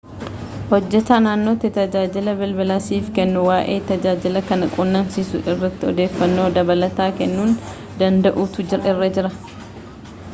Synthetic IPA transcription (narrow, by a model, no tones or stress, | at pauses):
hɔd͡ʒːɛt̪aːnaːnːo̞ːt̪ɪt̪ɐd͡ʒaːd͡ʒɪlɐbɪlbɐlasiːfkɛnːʊwaːʔeːt̪ɐd͡ʒaːd͡ʒɪlɐkɐnɐkʼʊnːɐmsisʊ̰ʔɪrːɐt̪ːɪɔ̰d̪e̞ːfːɐnːo̞ːd̪ɐbɐlɐt̪aːkɛnːuːn | d̪ɐnd̪ɐʔut̪ʊd͡ʒɪɾɐɪrːɐd͡ʒɪɾɐ